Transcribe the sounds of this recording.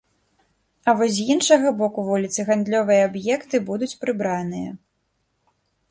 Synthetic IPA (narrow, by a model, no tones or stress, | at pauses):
ɐvɔzʲzjinʂɐɣɐbɔkuvulʲit̪sɨɣand̪lʲɔvɨjɐabjɛkt̪ɨbud̪ut͡sʲpɾɨbɾanɨjɐ̰